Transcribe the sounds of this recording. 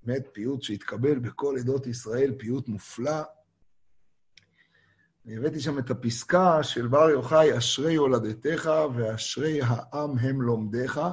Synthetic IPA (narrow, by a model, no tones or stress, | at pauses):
met̪̚piut̪ʃeit̪kabe̞lbeko̞led̪o̞t̪isʁae̞lpijut̪mufla | veevet̪iʃamet̪apiskaʃe̞lbaʁjo̞χajaʃʁe̞jolad̪et̪e̞χave̞aʃʁe̞jɦaʔamɦe̞mlo̞md̪e̞χa